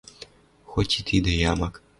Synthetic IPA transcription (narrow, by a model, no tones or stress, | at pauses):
xotʲit̪ʰid̪ɐjamak